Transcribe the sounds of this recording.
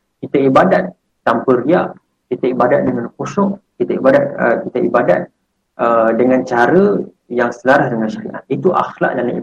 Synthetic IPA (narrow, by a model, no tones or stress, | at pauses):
kit̪əibadat̪̚ː | ampəɾiaʔ | kit̪əibadat̪̚dəŋankosʊʔkit̪aibadat̪̚ə̰kit̪əibada̰t̪̚ | ədəŋant͡ʃaɾə | jaŋsəlaɾasdəŋanʃaɾḭʔa̰t̪̚it̪uʔa̰xla̰ʔdanai